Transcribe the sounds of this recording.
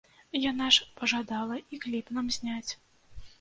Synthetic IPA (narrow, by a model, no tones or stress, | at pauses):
janaʂpɐʐad̪alˠɐiklʲipnamzʲnʲat͡sʲ